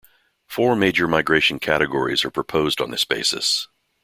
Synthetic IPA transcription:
fɔɹmeɪd͡ʒə˞maɪɡɹeɪʃn̩kʰæɾɨɡɔɹḭzə˞pʰɹ̥ɨpʰoʊzdn̩ðɪsb̥eɪsɨ̰s

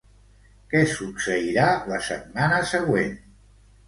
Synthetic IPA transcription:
kɛsuksəiɾaləsə̰t̪̚manəsəɣwen

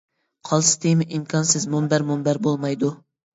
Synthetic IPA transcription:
qʰɑlˠsɪ̥t̪ʰɪjmɪʔimkʲʰɑnsɪzmʊmbæɾmʊmbæɾbolˠmɑjd̪u

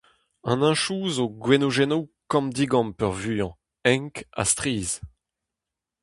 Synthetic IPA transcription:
ɑ̰̃nɛ̃ʃuːzoɡwenoʒɛnowkɑ̃md̪iɡɑ̃mpœʁvyːɑ̃ | ɛ̃ŋka̰st̪ʁiːz

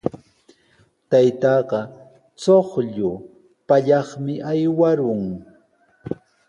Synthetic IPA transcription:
t̪ajt̪ɑːɢɑ | t͡soχʎʊ | paʎɑχmɪʔajwaɾʊŋ

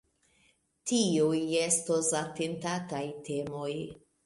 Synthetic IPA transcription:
tiujestosatentatajtʰe̞mo̞j

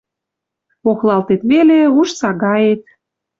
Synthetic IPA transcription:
oxlɑlt̪et̪βeleuʃsɑɣɑjet̪̚

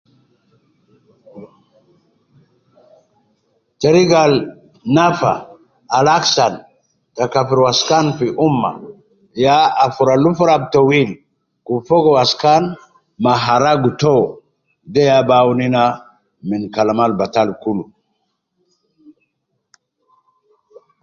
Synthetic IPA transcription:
teɾiɡal | nafa̰ː | laksan | takafiɾwaskanfiʔumːa̰ | jaafuɾalufuɾab̚towil | kufoɡowaskan | maɦaɾaɡuto | dejabawnina | minkalamalbatalkulu

